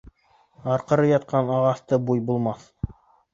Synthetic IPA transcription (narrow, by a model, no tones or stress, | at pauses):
ɑɾqɤ̆ɾɤjɑt̪̚qʰɑnɑʁɑθt̪ɤbujbulˠmɑθ